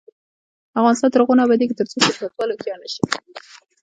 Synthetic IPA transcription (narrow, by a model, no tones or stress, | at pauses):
avɣɑnɪst̪ɑnt̪əɾɣonabad̪eket̪əɾt͡sosʊɾsat̪wɑlokjɑnaʃi̥